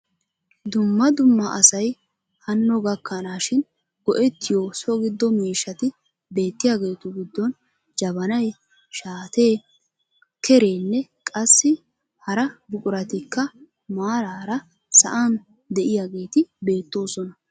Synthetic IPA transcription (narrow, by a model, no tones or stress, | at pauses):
d̪ʊmːɐd̪ʊmːɐɐsɐj | hɐnːɔɡɐkːɐnaːʃɪn | ɡɔʔɛt̪ːɪjosɔɡɪd̪ːɔmiːʃːɐt̪ɪ | be̞ːt̪ːɪjaːɡe̞ːt̪ʊɡɪd̪ːɔn | d͡ʒɐbɐnɐj | ʃaːt̪e̞ː | kʰɛɾe̞ːnːɛkʼɐsːɪ | hɐɾɐbʊkʼʊɾɐt̪ɪkːɐ | maːɾaːɾɐ | sɐ̰ʔɐn | d̪ɛʔɪjaːɡe̞ːt̪ɪbe̞ːt̪ːo̞ːsɔnɐ